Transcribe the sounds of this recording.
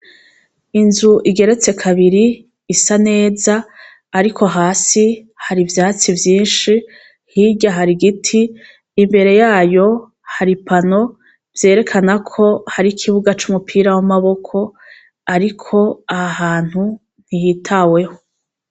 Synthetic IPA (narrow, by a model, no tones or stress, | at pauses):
inzuʔiɡe̞ɾe̞t͡se̞kʰaβiɾiː | sane̞ːzaː | ɾikʰo̞ɦaːsi | haɾivjaːt͡sivjiːnʃi | hiɟaɦaɾiɡitʰiː | mbe̞ɾe̞jaːjo̞ | haɾipano̞ | vje̞ːɾe̞kʰanakʰo̞haɾikʰiβuɡat͡ʃumupʰiːɾawamaβo̞kʰo̞ | aɾikʰo̞aaɦaːn̥hu | n̥hijitʰawe̞ho